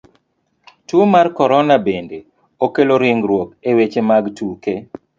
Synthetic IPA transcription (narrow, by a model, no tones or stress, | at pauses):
tumarkɔɾɔnabende | okeloɾɪŋɡɾwokewet͡ʃemaɡtuke